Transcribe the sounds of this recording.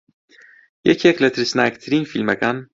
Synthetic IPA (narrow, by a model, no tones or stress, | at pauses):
jɛkʰɛkʰlɛt̪ʰɾisnaɛkt̪ʰɾinfilmɑkɑn